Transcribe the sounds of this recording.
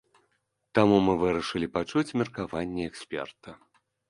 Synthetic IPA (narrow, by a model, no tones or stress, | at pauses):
t̪amumɨvɨɾɐʂɨlʲipat͡ʂut͡sʲmʲɛrkavanʲːɛɛksʲpʲɛ̰rt̪ɐ